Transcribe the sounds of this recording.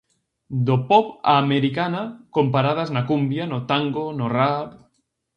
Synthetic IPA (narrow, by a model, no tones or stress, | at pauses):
d̪opɔpameɾikanakompaɾað̞aznakumbjanot̪aŋɡonorap